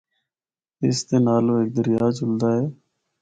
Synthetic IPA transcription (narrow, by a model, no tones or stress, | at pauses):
ɪst̪eːnaːloːeːk̚d̪əɾɪjaːt͡ʃʊld̪aːɦɛː